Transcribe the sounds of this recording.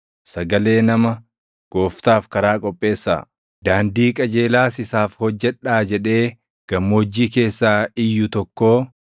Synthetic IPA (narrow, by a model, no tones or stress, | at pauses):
sɐɡɐle̞ːnɐmɐ | ɡ̥o̞ːft̪aːfkɐɾaːkʼɔpʼːe̞ːsːa̰ː | d̪aːnd̪iːkʼɐd͡ʒe̞ːlaːsɪsaːfhɔd͡ʒːɛᶑaːd͡ʒɛᶑe̞ː | ɡ̥ɐmːoːd͡ʒːiːke̞ːsːaːɪjːʊt̪ɔkːo̞ː